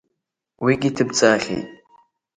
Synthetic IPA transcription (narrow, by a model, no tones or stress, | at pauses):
wiɡʲitʰɨb̚t͡sʼaːɬḭ